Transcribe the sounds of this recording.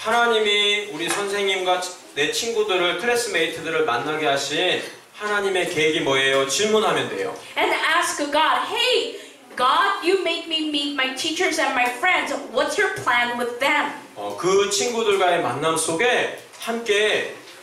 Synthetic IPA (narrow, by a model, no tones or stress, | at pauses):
hanaɲimiuɾisʰʌnsʰe̞ŋɲimɡwa | ne̞t͡ɕʰinɡudɯɾɯɭpʰɯɾes͈ɯme̞itʰɯdɯɾɯɭmanːaɡeɦaɕʰin | hanaɲime̞ke̞ɡimʌejot͡ɕiɭmunɦamjʌnde̞̰jo̰ | ɛ̃næskɡɑd̚ɦeɪ | ɡ̥ɑdjɨmeɪk̚mimin̚maɪtʰit͡ʃə˞zɨ̃nmaɪfɹɛ̃ndzwʌtsjə˞pʰl̥æ̃nwɪðɛ̃mʌ̰kɯt͡ɕʰinɡudɯɭɡwaema̰nːamsʰoɡe̞ | hamk͈e̞